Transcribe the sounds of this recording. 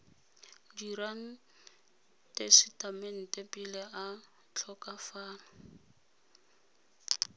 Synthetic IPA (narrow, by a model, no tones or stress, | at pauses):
diɾan̩ | tʼesitʼamɛn̩tʼepʼilɛʔa | t͡ɬʰɔkʼafaːna